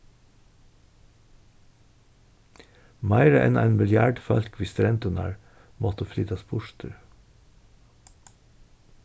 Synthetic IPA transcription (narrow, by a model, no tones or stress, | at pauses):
mæɪɾəʔɛ̰nʔæɪnmɪljæːɖfɑlkʰʋɪst̪ɾɛnt̪ɔnɑ̰ɹ | mɔt̪əflyːt̪ɑspʰʊʃt̪ʰəɾ